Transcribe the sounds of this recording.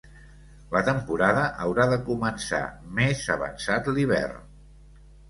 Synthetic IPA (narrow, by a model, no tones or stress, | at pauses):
lət̪əmpuɾaðəʔəwɾaðəkumənsa̰mezəβə̰nsat̪liβɛ̰r